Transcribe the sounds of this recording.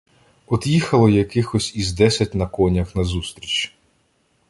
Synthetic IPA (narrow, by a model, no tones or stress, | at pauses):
ɔd̪jixɐlˠɔjɐkɪxɔsʲizd̪ɛsʲɐt̚ʲnɐkɔnʲɐxnɐzust̪ɾʲit͡ʃ